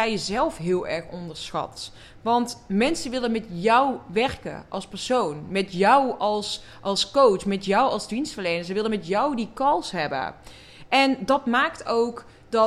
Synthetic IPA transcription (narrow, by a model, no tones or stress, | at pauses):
ɛjjəzɛlˠfɦɪːəlˠɛɹxɔndəɹsxɑ̰t | ʋɑntmɛnsəʋɪlənmɛtjɔwʋɛrkə̰ʔɑ̰lˠspɛɹsownmɛtjɔwɑlˠs | ʔɑlˠskowt͡ʃmɛtjɔwɑlˠzdinstfərlejnəɹsəʋɪlˠənmɛtjɔwdikɑlˠsɦɛbə̰ | ʔɛndɔtmaːktowk | dɔ